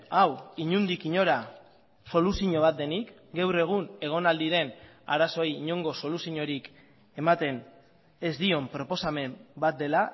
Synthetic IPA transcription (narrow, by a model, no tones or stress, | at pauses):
awiɲund̪ikiɲo̞ɾa | so̞lusiɲo̞βat̪̚d̪e̞nik | ɡewre̞ɣ̞une̞ɣ̞o̞nald̪iɾe̞n | aɾaso̞jːɲo̞ŋɡo̞so̞lusiɲo̞ɾik | e̞mat̪e̞n | e̞zd̪io̞mpɾo̞po̞same̞mbat̪̚d̪e̞la